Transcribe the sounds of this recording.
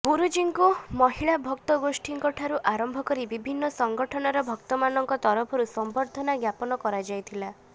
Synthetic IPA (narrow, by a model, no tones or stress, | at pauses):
ɡuɾud͡ʒiŋkumɔɦiɭabʱɔkt̪ɔɡosʈʰiŋkɔʈʰaɾuʔaɾɔmbʱɔkɔɾibibʱinːɔsɔŋɡɔʈʰɔnɔɾɔbʱɔkt̪ɔmanɔŋkɔt̪ɔɾɔpʰɔɾusɔmbɔɾd̪ʱɔnaɡjapɔnɔkɔɾad͡ʒajt̪ʰila